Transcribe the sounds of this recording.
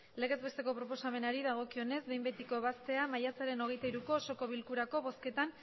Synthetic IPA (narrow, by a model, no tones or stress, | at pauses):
le̞ɣ̞e̞zβe̞st̪e̞ko̞pɾo̞po̞same̞naɾiðaɣ̞o̞kio̞ne̞zbe̞jmbet̪iko̞βast̪e̞amajasaɾe̞no̞ɣ̞e̞jt̪aiɾuko̞so̞ko̞β̞ilkuɾako̞βo̞ske̞t̪an